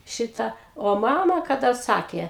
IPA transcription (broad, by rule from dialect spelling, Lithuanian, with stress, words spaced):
ˈʃʲɪtɐ oː ˈmɑːmɐ kɐˈdɐ ˈsɑːkʲeː